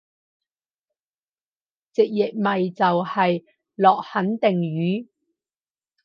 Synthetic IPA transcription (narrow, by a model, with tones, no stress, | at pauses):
t͡sɪ˨k̚jɪ˨k̚mɐ˨jt͡sɐ˨whɐ˨j | lɔː˨k̚hɐ˨˥nt̪ɪ˨ŋɥyː˨˥